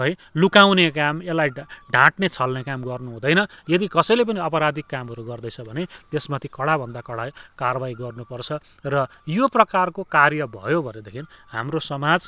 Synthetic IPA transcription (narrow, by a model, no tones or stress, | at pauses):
ʌjlukawnekamelːajɖʱãʈnet͡sʰʌlnekamɡʌrnuɦũd̪ʌjnʌjʌd̪ikʌsʌjlep̬ʌniʌpʌɾad̪ʱikːamɦʌɾuɡʌrd̪ʌjt͡sʰʌbʱʌnet̪esmat̪ʰikʌɽabʱʌnd̪akʌɽakarbaiɡʌrnupʌrt͡sʰʌ | rʌ | joprʌkarkokarjʌbʱʌ̰jobʱʌned̪ekʰinha̰mrosʌmad͡z